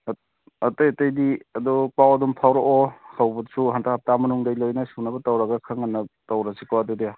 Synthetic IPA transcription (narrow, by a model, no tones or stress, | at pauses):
ɐtajɐtɐjdiɐdɔpawɐdumpʰawɾɔʔɔhawbutsuɦantahap̚tamɐnuŋdajlojnɐsunɐbɐtawɾaɡɐkʰaŋanːɐtawɾasikawadudea